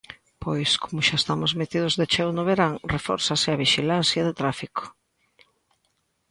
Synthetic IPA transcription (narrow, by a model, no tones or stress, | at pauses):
pojskʰomʊʃaest̪amozmet̪ið̞ʊzðet͡ʃewnoβeɾaŋrefɔ̰ɾsaseaβiʃilanθjaðet̪ɾafiko̥